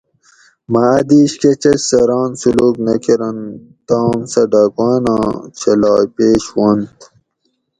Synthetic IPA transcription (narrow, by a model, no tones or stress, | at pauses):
mɐːd̪iːɕket͡ɕɐt͡ɕsɐɾɑːnsuluːknɐkiɾɐn | t̪ɑːmsɐɖaːkɑːnɑ̃ːt͡ɕʰɐlɑːjpeːɕwont̪